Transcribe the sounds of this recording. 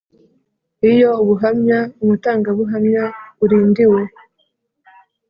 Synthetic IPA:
ijo̞uβuɦamɲaumutaːŋɡaβuɦamɲaβuɾiːndiwe̞

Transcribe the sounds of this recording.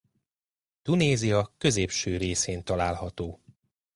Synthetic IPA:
t̪uneːzijɒkø̞zeːpʃøːɾeːseːnt̪ɒlaːlɦɒt̪oː

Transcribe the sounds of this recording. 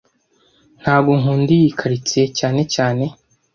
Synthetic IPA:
n̥haːbɡoŋɦuːndijikʰaɾit͡secaːne̞caːne̞

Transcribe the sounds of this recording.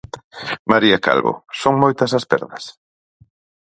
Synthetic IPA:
maɾiɐka̰lβʊ̰soŋmojt̪ɐsɐspɛ̰ɾðɐs

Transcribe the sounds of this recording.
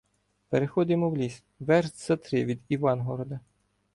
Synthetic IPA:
peɾexɔd̪ɪmɔwlʲis | ʋɛrz̥ɐt̪ɾɪʋʲid̪iʋɑnɦɔɾɔd̪ɐ

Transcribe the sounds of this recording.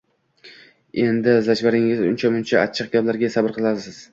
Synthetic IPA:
e̞nd̪ɪzad͡ʒvaɾɪŋɪzʊnt͡ʃʰamʊnt͡ʃʰaat͡ʃʰːɨq̚ɡʲablaɾɡʲasabɪɾqʰɨlˠad̪ɪsɪz̥

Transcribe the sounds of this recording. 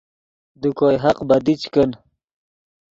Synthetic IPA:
d̪ukojɦaqbɐd̪it͡ɕkən

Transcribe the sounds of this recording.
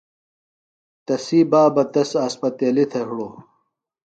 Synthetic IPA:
t̪ɐsiːbaːbɐt̪ɐsaspɐt̪eːlit̪ʰɐɦɽoː

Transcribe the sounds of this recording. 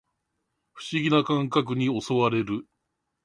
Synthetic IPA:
ɸɯ̟̥ɕiɡʲinakãŋkak̬ɯ̟ɲ̟io̞so̞βaɾe̞ɾɯ̟

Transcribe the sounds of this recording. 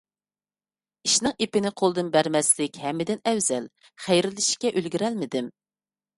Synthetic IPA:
iʃnɨŋʔepɪnɪqʰolˠd̪ɨnbæɾmɛslɪkʲhɛmːɪd̪ɪnɛwzɛl | χæjɾɪlɪʃkʲɛʔølɡʲyɾɛlmɪd̪ɪm

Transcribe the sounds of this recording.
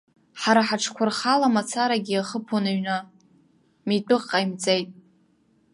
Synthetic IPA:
ħaɾaħaʈ͡ʂʰkʷʰʊrχalamat͡sʰaɾaɡʲiaχəpʰonaɥna | mitʼɨqʼːajmt͡sʼejtʼ

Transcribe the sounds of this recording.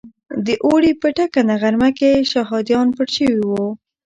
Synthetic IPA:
d̪əʔoɽipəʈakanaɣaɾmakeʃaɦɑd̪jɑnpəɽʃəwiwo

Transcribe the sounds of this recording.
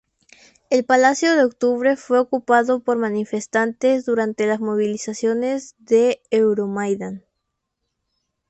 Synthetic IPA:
e̞lpalasjoðeok̚t̪uβɾe̞fwe̞okupaðo̞po̞ɾmanife̞st̪ant̪e̞zðuɾant̪e̞lazmo̞β̞ilisasjo̞ne̞zðeewɾomajðan

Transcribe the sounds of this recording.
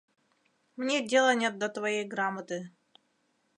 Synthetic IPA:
mnʲedʲe̞lˠənʲet̪̚d̪ət̪vɐjejɡɾamət̪ɨ

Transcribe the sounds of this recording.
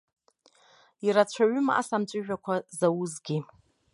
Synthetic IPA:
iɾat͡ɕʷʰaɥʏmaʔa̰samt͡ʃʷʼɨʒᶣakʷʰazawuzɡʲi

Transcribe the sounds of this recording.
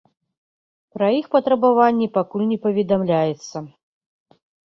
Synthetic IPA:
pɾɐixpɐt̪ɾɐbavanʲːipakulʲnʲɛpɐvʲɛd̪amlʲajɛt̪sːɐ

